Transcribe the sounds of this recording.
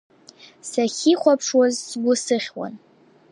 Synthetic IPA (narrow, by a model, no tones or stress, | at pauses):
saχʲiχʷapʰʂwazsɡʷʊsɨχʲwa̰n